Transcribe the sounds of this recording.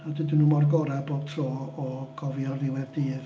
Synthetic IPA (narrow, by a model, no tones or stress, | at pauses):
adɪdunuːmɔrɡɔɾɛbotʰrɔːɡ̥ɔvjɔrɪwɛvdiːð